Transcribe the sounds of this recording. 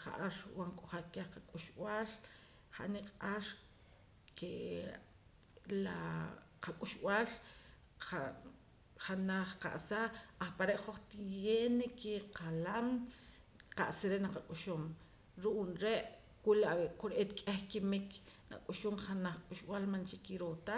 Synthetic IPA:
χa̰ʔaɾwaŋkʼoχakehqakʼuʃw̰aːl | χa̰ʔniqʼaɾ | ke | la | qakʼuʃʔw̰aːl | a | χanaχqa̰ʔsaʔaχpaɾeʔχoχt̪ijenekiqʰalam | qa̰ʔsiɾeʔnaqakʼuʃom | ɾuʔunɾeʔ | kulaʔbeʔkoɾeʔet̪kʼeχkimikna̰kʼuʃumχanaχkʼuʃʔwaːlmant͡ʃikiɾot̪a

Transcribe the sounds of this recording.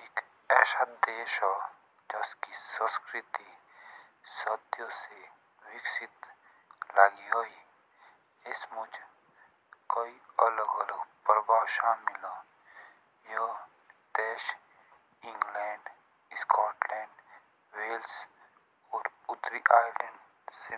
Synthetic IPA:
ek | ɛːʃad̪d̪eːʃo | d͡ʒɐskisə̃skɾɪt̪i | səd̪jose | wɪksɪt̪ | laːɡiɦoi | ɪsmʊd͡ʒ | kəiɐləɡələɡpəɾbaːʃamɪla | jə | d̪eːʃ | ɪ̃ŋɡlɛːɳɖ | skaːʈlɛːɳɖ | weːls | ɔːɾʊt̪ɾiʔaːɪləɳɖ | se

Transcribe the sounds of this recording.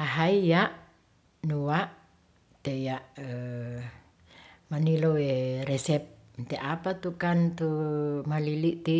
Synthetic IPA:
aɦaijaʔ | nuwaʔ | t̪ejaʔ | maniloweɾɛsɛp̚ | nt̪eʔapat̪ukant̪umaliliʔt̪i

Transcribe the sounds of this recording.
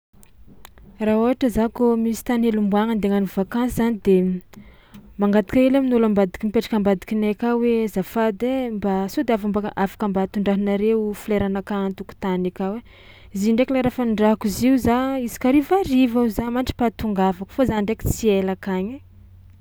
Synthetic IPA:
raɦoaʈ͡ʂəzakomisi̥t̪anelumbuaŋand̪eŋanivakansizanid̪e | maŋɡat̪i̥kaelaminulambad̪i̥kimpeʈ͡ʂḁkəambad̪i̥kinakawezafad̪embasod̪eafambaʔafḁkambat̪uɳɖ͡ʐaɦinaɾeufileɾanakant̪uku̥t̪anakawe | ziɳɖ͡ʐeklaɾafaɳɖ͡ʐaɦkuziuzaizi̥kaɾivarivauzamaɳʈ͡ʂi̥pat̪uŋɡavaku̥fozanɳɖ͡ʐeki̥t͡sielakaɲi

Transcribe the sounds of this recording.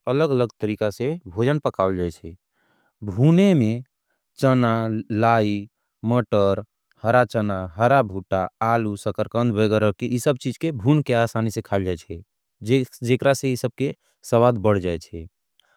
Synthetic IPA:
ələɡələɡt̪əɾikasẽbʱod͡ʒənpəkald͡ʒajt͡ʃʰɛ | bʱuneme | t͡ʃənalai | məʈəɾ | həɾat͡ʃənaɦəɾabʱuʈaːlusəkəɾkənd̪bəɡəɾəkeʔisəb̚t͡ʃid͡ʒkebʱunkeasanisẽkʰald͡ʒajt͡ʃʰɛ | d͡ʒd͡ʒekɾasẽisəb̚ke | səwad̪bəɽ̤d͡ʒajt͡ʃʰɛ

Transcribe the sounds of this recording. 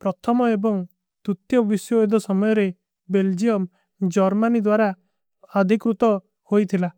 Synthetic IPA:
pɾɔt̪ʰɔmɔebɔŋ | t̪ut̪jɔbisjɔid̪ɔsɔmɔjɔɾe | beld͡ʒiɔm | d͡ʒɔɾmanid̪waɾa | ɔd̪ʱikɾut̪ɔ | hojt̪ʰila

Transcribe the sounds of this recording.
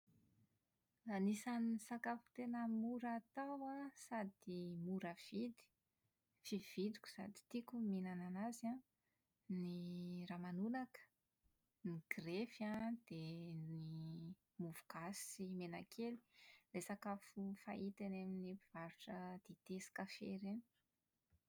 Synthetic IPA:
lanisanisakafu̥t̪enəmuɾat̪awasad̪imuɾəv̥id̪i̥ | fiv̥id̪ikʲu̥sa̰d̪i̥t̪ikuminananaza | niramanunakə̥ | niɡ̥refjad̪̥eni | muvu̥ɡ̥asimenakʰeli̥lesakafufa̰it̪eneminipiv̥aɾuʈ͡ʂəd̪̥et̪esi̥kəfḛɾen

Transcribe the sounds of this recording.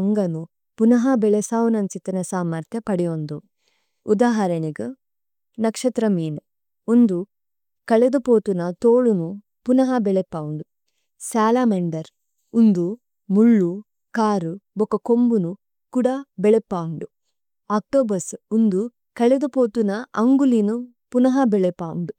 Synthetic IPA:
ŋɡɐnu | punɐɦɐbeɭesaːʋunɐnt͡ʃit̪ɐnɐsaːmɐɾt̪ʰjɐpɐɽijond̪u | ud̪aːɦɐɾɐniɡɨ | nɐkʂɐt̪ɾɐmiːn | und̪u | kɐɭed̪upoːt̪unɐt̪oːɭunu | punɐɦɐbeɭepːaːuɳɖu | saːlaːmeɳɖɐɾ | und̪u | muɭːu | kaːɾubokɐkombunu | kuɽɐbeɭepːaːuɳɖu | aːk̚ʈoːbɐsund̪u | kɐɭed̪upoːt̪unɐɐŋɡulinu | punɐɦɐbeɭepːaːṵɳɖu

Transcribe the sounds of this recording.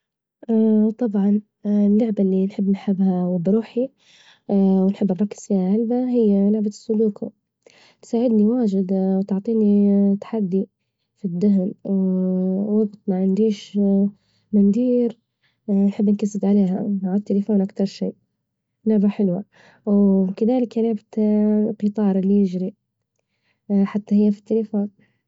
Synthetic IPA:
ʔat̪ˤɑbʕɑn | lːʊʕbalːinħɪbːnħɪbːhawɪbːɾuːħi | wnħɪbːaˤɑkːɪ̥z̥ɪjːaʕalbaɦɪjːalʊʕbasːʊluːku | t̪saːʕɪd̪niwaːʒɪd̪wt̪ʊʕt̪ˤiːnit̪ːḁħad̪ːi | fid̪ːʊɦnw | wɑbt̪ˤmaʕɪnd̪iːʃ | mɪnd̪iːɾ | nħɪbːɪnkasɪd̪ʕaleːɦaaʕat̪ːalɪfoːnʔakt̪ɑɾˤʃiː | lʊʕbaħɪlwa | wkaðaːlɪkalʊʕbaqɨt̪ˤɑːɾˤɪlːijɪd͡ʒɾi | ħat̪ːahɪjːafi̥t̪ːalɪfoːn

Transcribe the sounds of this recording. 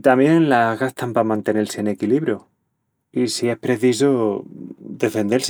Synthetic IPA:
t̪amje̞nlaɣast̪ʰampamãnt̪e̞ne̞lseene̞kiliβɾjo | isie̞hpɾe̞θiso | d̪e̞fe̞nd̪e̞ls

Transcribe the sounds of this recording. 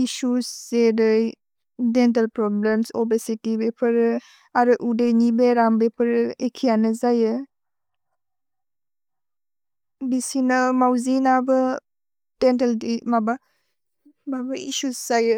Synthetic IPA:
isusːeɾɯj | dent̬elpɾɔblemsɔbesitibepʰɯɾ | aɾɯʔudejnibeɾambepʰəɾɯekʰijanɯzajɯ | bisinɯmawzinabə | d̥ent̬eldimaba | mabaisuszajɯ

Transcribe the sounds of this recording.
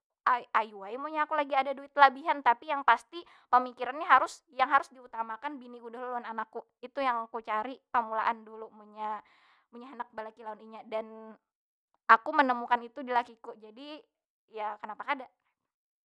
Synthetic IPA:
ʔaajuajmuɲaːkulaɡiadaduɪt̪labiɦant̪apijaŋpast̪i | pəmikiɾanɲaɦaɾʊsjaŋɦaɾʊsdiut̪amakanbiniɡudaɦloluananakːu | it̪ujaŋkut͡ʃaɾipəmulaʔandulumuɲa | muɲaɦənak̚balakilaʊniɲadan | akumənəmukanit̪udilakikud͡ʒadi | jakənapakadaʔ

